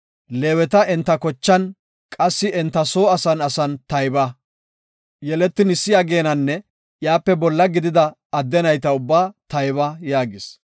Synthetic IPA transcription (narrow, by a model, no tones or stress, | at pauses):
leːwɛt̪ɐɛnt̪ːɐkɔt͡ʃːɐn | kʼɐsːɪɛnt̪ːɐso̞ːɐsɐnɐsɐnt̪ɐjbɐ | jɛlɛt̪ːɪnɪsːɪjaːɡe̞ːnɐnːɛ | jaːpːɛbɔlːɐɡɪd̪ɪd̪ɐ | ɐd̪ːɛnɐjt̪ɐʊbːaːt̪ɐjβɐjaːɡɪs